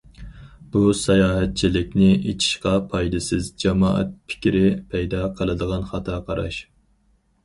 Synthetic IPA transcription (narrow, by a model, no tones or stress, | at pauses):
b̥usɑjɑːɦɛt̪̚t͡ʃʰilɪkʲnɪʔet͡ʃʰi̥ʃqɑpʰɑjd̪ɨsɨzd͡ʒɑmɑ̰ːʔɛ̰t̪̚pʰɪ̥kʲiɾɪpʰɛjd̪ɑqʰəlˠɨd̪əʁɑnχɑt̪ʰɑqʰɑɾɑ̰ʃ